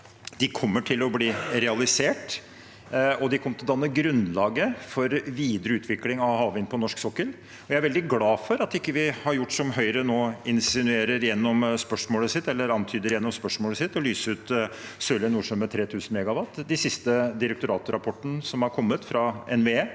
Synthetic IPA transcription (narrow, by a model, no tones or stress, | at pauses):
d̪̥ɪkʰɔmːəʈʰɪlɔbliːɾɛɑlɪseːʈ | ɔd̪ɪkʰɔmːət̪ʰɪd̪ɑnːəɡɾʉnlɑːɡəfɔɾʋiːd̪ɾəʉːt̪ʰʋɪklɪŋɑʋhɑːʋɪnpʰɔnɔʂksɔkːəl | ɔjææɾʋɛld̪ɪɡlɑːfɔɾɑt̪ɪkːəʋɪhɑɾjʊʈːsɔmɦœʏɾənoːɪnsɪnʉeːɾəɾjɛnːɔmspœʂmoːləsɪt̪ːɛlːəɾɑnt̪ʰyːd̪əɾjɛnːɔmspœʂmoːləsɪt̪ːɔlyːsəʉːt̪sœlənːuːʂɔmːɛt̪ʰɾeːt̪ʰʉːsn̩mɛɡɑʋɑt̪ːd̪ɛsɪst̪əd̪ɪɾɛk̚t̪ʊɾɑːt̪ɾɑpʰɔʈːənəsɔmhɑɾkʰɔmːət̪fɾɑɛnʋeeː